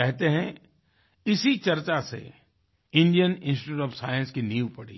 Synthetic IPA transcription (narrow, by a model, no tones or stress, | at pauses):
ɛɦt̪eɦɛ̃ | ɪsit͡ʃɐɾt͡ʃasḛ | ɪ̃nɖijənɪ̃nsʈɪ̥uːʈɔːfsa̰ːjə̃nskiniːupɐɽḭː